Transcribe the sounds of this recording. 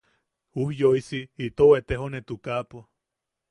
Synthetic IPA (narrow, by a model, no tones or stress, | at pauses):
uhjoisiːt̪owet̪eɦonet̪ukapo